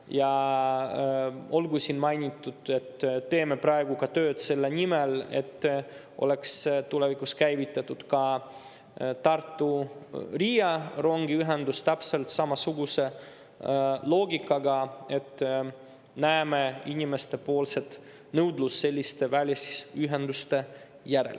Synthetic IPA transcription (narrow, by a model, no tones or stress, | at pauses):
jɑ | o̞lɡusinmɑjnʲit̪ːˑud̪̥e̞t̪ːe̞ːme̞prɑe̞ɡukɑt̪ø̞ːd̪̥se̞lːenʲimɛle̞̰t̪ːʔo̞̰le̞kst̪ulevikuskæjvit̪ːˑɑt̪ːud̪̥kɑ | t̪ɑrt̪ːurijɑro̞ŋɡiyɦend̪ust̪æpse̞lt̪sɑmɑsuɡuse̞ | lo̞ːɡikːˑɑɡɑe̞t̪ː | næːmeinʲime̞st̪e̞po̞ːlse̞t̪ | nɤwd̪lusːe̞lʲːist̪e̞vælʲjɑsi̥yɦend̪ust̪e̞ | jæɾḛl